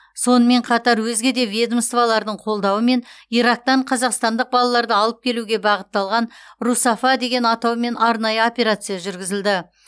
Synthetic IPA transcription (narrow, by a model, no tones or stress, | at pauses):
so̞nəme̞ɴqʰɑt̪ɑɾwɵzɡʲe̞d̪e̞vʲjed̪əmst̪vɑlˠɑɾd̪əɴqʰo̞lˠd̪ɑwəme̞niɾɑk̚t̪ɑɴqʰɑzɑqst̪ɑnd̪əq̚bɑlˠɑlˠɑɾd̪əɑlˠəp̚kʲʰe̞luɡʲe̞bɑʁət̪ːɑlˠʁɑnrusafad̪e̞ɡʲe̞nɑt̪ɑwme̞nɑɾnɑjəo̞pʲe̞ɾat̪sɨjaʒʏɾɡʲɪzɪld̪ɪ